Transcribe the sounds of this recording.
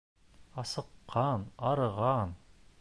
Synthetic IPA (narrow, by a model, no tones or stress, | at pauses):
ɑsɤ̆qːɑnɑɾɤ̆ʁɑn